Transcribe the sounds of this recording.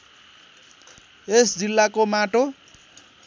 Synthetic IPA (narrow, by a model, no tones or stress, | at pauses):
esd͡zilːakomaʈo